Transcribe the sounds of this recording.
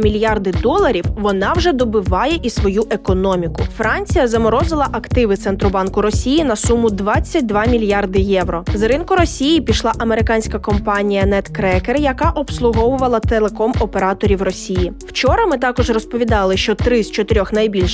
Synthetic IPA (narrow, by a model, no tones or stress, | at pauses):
mʲilʲjɑrd̪ɪd̪ɔlˠɐɾʲiwʋɔnɑwʒɛd̪ɔbɪʋɑjɛʔisʋɔjuʔekɔnɔmʲikʊ̰fɾɑnʲt͡sʲijɐzɐmɔɾɔzɪlˠɐʔɐkt̪ɪʋɪt̪sɛnt̪ɾɔbɑnkʊɾɔsʲijinɐsumʊd̪ʋɑt͡sʲːɐt̚ʲd̪ʋɑmʲilʲjɑrd̪ɪjɛʋɾɔzɾɪnkʊɾɔsʲijipʲiʃlˠɑʔɐmeɾɪkɑnʲsʲkɐkɔmpɑnʲijɐnɛt̪kɾɛkerjɐkɑʔɔpslˠʊɦɔʋʊʋɐlˠɐt̪elˠekɔmɔpeɾɑt̪ɔɾʲiwrɔsʲijiwt͡ʃɔɾɐmɪt̪ɑkɔʒrɔspɔʋʲid̪ɑlˠɪʃt͡ʃɔt̪ɾɪst͡ʃɔt̪ɪɾʲɔxnɐjbʲilʲʃ